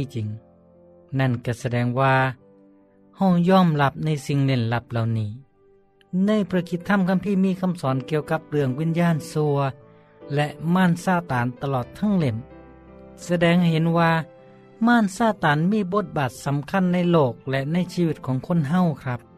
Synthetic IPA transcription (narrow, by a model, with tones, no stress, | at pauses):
i˧t͡ɕi˨˦ŋ | na˧˥˩nka˧˩sa˧dɛː˧˩ŋwaː˧ | ha˧˩wjɔː˧˥˨mla˧˥p̚na˧˥˨jsi˧˨ŋle˧˩nla˧˥p̚la˨wniː˧˩ | na˧˥˨jpʰɾa˧kʰi˧˦t̪ʰːa˧˥˨mkʰa˧˥˨mpʰiː˧˥˨miː˧˥˨kʰa˧˥˨msɔː˨˦nki˧˨əwka˧˦p̚lɯ˧əŋwiː˧˥˨njaː˧˥˨nsu˧ɐ | lɛ˧ʔmaː˧˥˨nsaː˧˩t̪aː˨˦nt̪a˧lɔː˨˩t̪ʰːa˧˥˨ŋle˧˩n | sa˧dɛː˧ŋhɦe˨˦nwaː˧ | maː˧˥˨nsaː˧˩t̪aː˨˦nmiː˧˥˨bo˧˦t̪̚baː˨˩t̪̚sa˨˦mkʰa˧˥˨nːa˧˥˨jloː˧˩k̚lɛ˧ʔna˧˥˨jsiː˧˨i˧t̪̚kʰɔː˨˦ŋkʰo˧˥˨nɦa˧˩˨wkʰɾa˧˥p̚